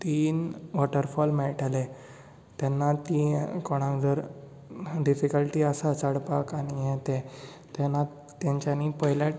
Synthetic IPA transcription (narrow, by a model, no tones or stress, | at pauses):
t̪iːnʋɔʈəɾfɔlmɛɭʈale | t̪ɛnːat̪iːkɔɽ̃ãŋd͡zəɾ | ɖifikəlʈiːəsat͡saɽpakaɽ̃ijɛt̪ẽ | t̪ɛna | t̪ãɲt͡ɕanipəɦlja